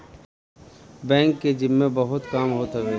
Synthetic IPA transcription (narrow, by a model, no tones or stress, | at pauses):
bɛ̃ːŋkːed͡ʒɪmːẽbɐɦʊt̪kaːmɦoːt̪ɐʋeː